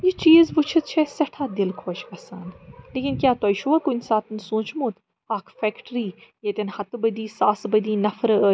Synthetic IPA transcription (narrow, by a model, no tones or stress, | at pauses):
jit͡ʃiːzbut͡ʃʰɨt̪̚t͡ʃʰɛsɐʈʰaːd̪ɪlkʰoːt͡ʃkɐsaːnleːkʲinkjaːt̪oɐjʃuʋakunʲsaːt̪nsũːt͡ʃmũːt̪ | aːkʰfɛkʈɾiːjɐt̪ʲɐnhɐt̪bɐd̪iːsaːsbəd̪iːnɐfɾə